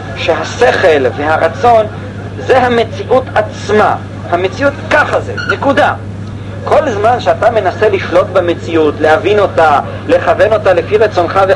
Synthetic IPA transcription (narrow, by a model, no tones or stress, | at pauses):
ʃeɦase̞χe̞lve̞haʁat͡so̞n | zeɦame̞t͡siʔutat͡sma | hamet͡siutkaχazenekuda | kʰo̞lzmanʃeat̪ame̞nase̞liʃlot̚beme̞t͡siutle̞havino̞ta | le̞χave̞no̞talefiʁet͡so̞nχave